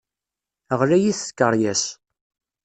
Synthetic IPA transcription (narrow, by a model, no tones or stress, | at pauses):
əʁlæjiθkːəɾˤjæs